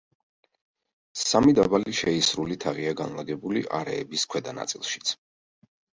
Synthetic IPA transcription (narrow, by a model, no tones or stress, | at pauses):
samid̪abaliʃɛisɾulit̪ʰaʁiaɡanlˠaɡɛbulḭʔaɾɛ̰ːbiskʰwɛd̪ana̰t̪sʼilˠʃi̥t̪sʰ